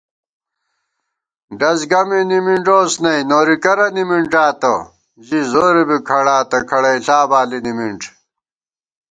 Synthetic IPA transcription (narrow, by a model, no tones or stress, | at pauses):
ɖɐsɡɐminimiɳʈoːsnɐjnoːɾikɐɾɐnimiɳʈaːt̪ɐ | d͡ʑizoːɾebikʰɐɽaːt̪ɐkʰɐɽɐjɬaːbaːlinimiɳʈ͡ʂ